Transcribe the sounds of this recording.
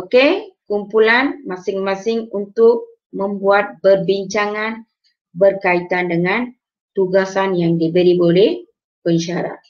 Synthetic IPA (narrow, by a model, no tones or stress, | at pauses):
okekumpulanmasɪŋmasɪŋunt̪ʊk̚ | mə̃mbuat̪̚bərbiɲt͡ʃaŋan | bərkait̪andəŋan | t̪uɡasanjaŋdibəɾibolɛh | pəɲʃaɾa̰t̪̚